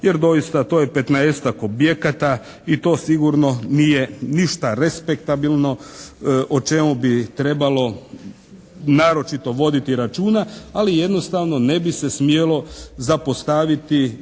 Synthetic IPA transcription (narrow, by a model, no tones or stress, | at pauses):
je̞ɾd̪o̞jist̪at̪o̞ːjepe̞t̪naest̪akobje̞kat̪a | it̪o̞ːsiɡuɾno̞nije̞niʃt̪aɾespek̚t̪abilno̞ | ʔot͡ʃe̞mubit̪ɾe̞balo̞ | naːɾo̞t͡ʃit̪o̞ʋo̞d̪it̪iɾat͡ʃuːnaalije̞d̪no̞st̪aːʋno̞ne̞bise̞smje̞lo̞zapost̪aʋit̪i